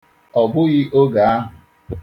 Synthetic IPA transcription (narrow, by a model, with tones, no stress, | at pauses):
ɔ˨ɡʊ˦ɣɪ˦ʔo˦ɡa˨a˦ɦʊ˨